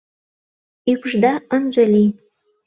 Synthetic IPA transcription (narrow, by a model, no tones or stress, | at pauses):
ykʒd̪ɑə̆nʒə̆li